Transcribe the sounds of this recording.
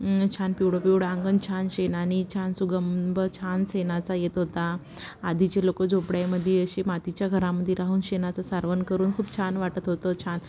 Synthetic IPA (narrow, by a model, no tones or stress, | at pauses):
t͡ɕʰanpiwɽopiwɽãŋɡənt͡ɕʰanɕenañit͡ɕʰansuɡəmbət͡ɕʰansenat͡sajet̪ɦot̪aː | d̪ʱit͡ɕelokəd͡zopɽjajməd̪ʱːjeəɕemat̪it͡ɕjaɡʱəɾaməd̪ʱːjeɾaɦuːnɕenat͡sasaɾʋənkəɾuːnkʰuːpt͡ɕʰanʋaʈət̪ɦot̪ət͡ɕʰan